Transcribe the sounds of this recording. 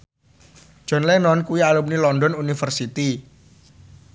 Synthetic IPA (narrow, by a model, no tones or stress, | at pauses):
ʒ̥ɔ̤nlɛnɔnkuwialumnilɔndɔnunifərsit̪i